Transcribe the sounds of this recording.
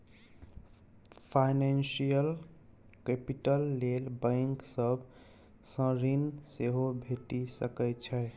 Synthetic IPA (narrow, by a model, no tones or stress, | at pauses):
pʰajnensijəl | kepiʈəlːelbə̃jŋksəb | sə̃ɾinseɦobʱeʈisəkɛt͡ʃʰə